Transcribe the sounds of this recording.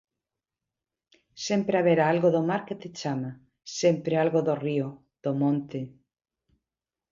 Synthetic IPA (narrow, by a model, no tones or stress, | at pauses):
sempɾeaβeɾaalɣoðomaɾket̪et͡ʃama | sempɾealɣoðorio | ð̥omõnt̪e